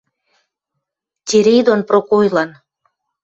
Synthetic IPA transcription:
t̪ʲeɾejd̪onprokojlɑn

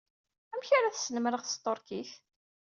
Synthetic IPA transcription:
æmçaɾæθsənəmɾəʁθəst̪ˤoɾkiθ

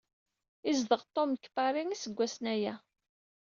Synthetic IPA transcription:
izðəʁt̪ˤːomkːə̥fɑɾiŋisəɡʷːæsnæjæ

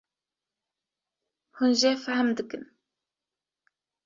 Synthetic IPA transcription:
hunʒefæhmd̪ɨkɨn

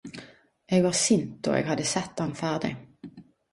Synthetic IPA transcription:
ʔeːɡʋɑːʁsɪnt̪̚o̰ːḛːɡhɑd̪əsɛt̪ːɑnfæːʁd̪ɪ̰

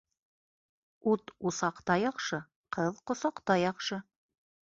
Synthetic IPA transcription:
ut̪usɑqt̪ɑjɑχʃɤ | qɤðqŏsɑqt̪ɑjɑχʃɤ

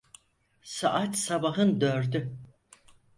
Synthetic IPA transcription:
sa̰ʔat̪sabaɦɯnd̪øɾd̪y

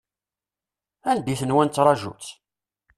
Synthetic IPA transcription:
ænbiθənwænt͡s̪ːɾˤɑʒṵt͡sː

